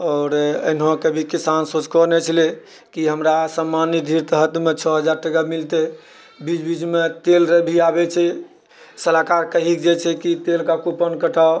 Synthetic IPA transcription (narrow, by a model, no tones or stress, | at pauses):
ɔːɾḛnɦõkebʱikisansot͡ʃkɔnɛt͡ʃʰəle | kiɦəmɾasəmːanid̪ʱiɾt̪əɦət̪met͡ʃʰɔɦəd͡ʒaɾʈəɡamilt̪e | bid͡ʒbid͡ʒmet̪elɾəbʱiabɛt͡ʃʰɛ | səlakaɾkəɦikd͡ʒet͡ʃʰɛkit̪elkakupənkəʈʰa